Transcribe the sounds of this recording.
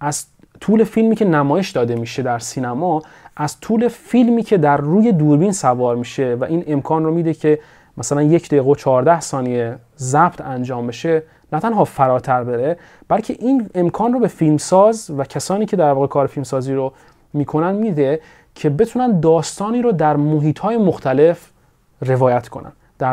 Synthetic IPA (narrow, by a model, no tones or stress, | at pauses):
ʔæz̥ | t̪ʰuːle̞filmiːcʰe̞næmɒːje̞ʃd̪ɒːd̪e̞miːʃe̞d̪æɾsiːnæmɒːʔæz̥t̪ʰuːle̞filmiːcʰe̞d̪æɾːuːje̞d̪uːɾbiːnsævɒːɾmiːʃe̞væʔiːne̞mkʰɒːnromiːd̪ecʰe̞ | mæsælænje̞cʰd̪eɣot͡ʃʰɒːɾd̪æhsɒːnije | zæb̥t̪ʰænd͡ʒɒːmbe̞ʃe̞ | næt̪ʰænɦɒːfæɾɒːt̪ʰæɾbeɾe | b̥ælcʰe̞ʔiːne̞mkʰɒːnrobe̞filmsɒːzvæcʰæsɒːniːcʰe̞d̪æɾvɒːɣekʰɒːɾefilmsɒːziːɾo | miːkʰo̞nænd̪miːd̪e̞ | cʰe̞be̞t̪ʰuːnænd̪d̪ɒːst̪ɒːniːɾod̪æɾmoɦiːt̪ʰhɒːje̞moxt̪ʰæle̞f | re̞vɒːjæt̪kʰo̞nʔæ̰n | d̪̥æ